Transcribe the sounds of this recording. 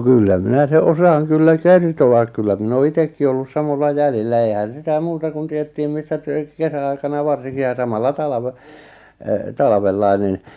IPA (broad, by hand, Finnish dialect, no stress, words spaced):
kylːæ minæ se ʔosɑːŋ kylːæ kertoɑk kylːæ min oː itekːi olːus sɑmolːɑ jælilːæ eihæn sitæ muːtɑ kun tietːiːm misːæ tyt̆ø̆t̆ kesæɑikɑnɑ ʋɑrsiŋki jɑ sɑmɑlːɑ tɑlɑʋe e tɑlɑ̆ʋelːɑi̞ nin